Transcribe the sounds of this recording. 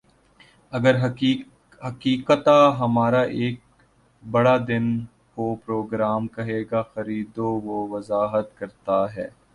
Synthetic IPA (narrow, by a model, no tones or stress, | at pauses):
ɐɡəɾɦ | ɦɐkiːkət̪aɦɐmaːɾaʔeːk̚ | bɐɽad̪ɪn | kopɾoːɡɾaːmkɐɦeːɡaxɐɾiːd̪oʋoʋɐzaːɦət̪kɐɾt̪aɦɛː